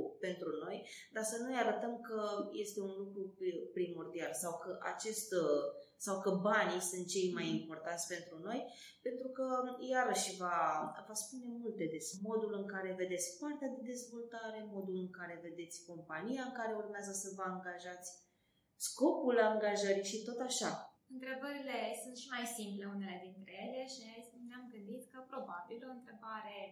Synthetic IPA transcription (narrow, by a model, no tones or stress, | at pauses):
pe̞nt̪ɾuno̞j | d̪asənujaɾət̪əmkəje̞st̪e̞unlukɾupɾimo̞rd̪ialsawkəʔa̰t͡ʃe̞st̪sawkəbanisunt̪̚t͡ʃe̞jmajimpo̞rt̪ant̪sʲpe̞nt̪ɾuno̞j | pe̞nt̪ɾukəjaɾəʃvavaspune̞mult̪e̞d̪esmo̞d̪ulɨŋkaɾe̞ve̞d̪e̞t̪sʲkʲpart̪ead̪e̞d̪e̞zvo̞lt̪aɾe̞mo̞d̪ulɨŋkaɾe̞ve̞d̪e̞t̪sʲko̞mpanijaɨŋkaɾe̞urmeazəsəvəaŋɡaʒat̪sʲ | sko̞pulaŋɡaʒəɾiʃit̪o̞t̪aʃa | ɨnt̪ɾe̞bəɾile̞sunt̪ʃimajsimple̞une̞le̞d̪int̪ɾe̞je̞le̞ʃiaesneamɡɨnd̪it̪kəpɾo̞babilo̞ɨnt̪ɾe̞baɾe̞